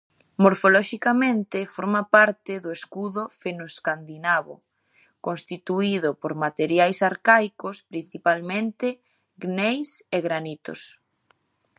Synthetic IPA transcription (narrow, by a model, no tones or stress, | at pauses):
moɾfolɔʃikamẽnt̪ɪfoɾmapaɾt̪ɪðoeskuðʊfenoskand̪inaβo̰ | kõnst̪it̪uiðopoɾmat̪eɾjajsaɾkajkospɾin̟θipalmẽnt̪e | ɡnejseɣɾanit̪o̰s